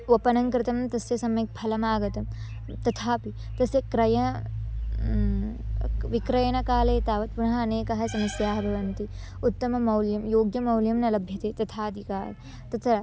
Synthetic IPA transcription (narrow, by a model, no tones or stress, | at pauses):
ʋɐpɐnɐŋkɾɪt̪ɐmnt̪ɐsjɐsɐmek̚pʰɐlɐmaːɡɐt̪ɐm | t̪ɐt̪ʰaːpi | t̪ɐsjɐkɾɐjɐɐ | ʋikɾɐjɐnɐkaːlɐt̪aːʋɐt̪̚punɐɦɐɐneːkɐɦɐsɐmɐsjaːɦɐbʱɐʋɐnt̪i | ut̪ːɐmɐmɐwljɐmjoːɡjɐmɐwljɐmnɐlɐbʱjɐt̪et̪ɐt̪ʰaːd̪ʱikaːɾ | t̪ɐt̪ʰɐɾɐ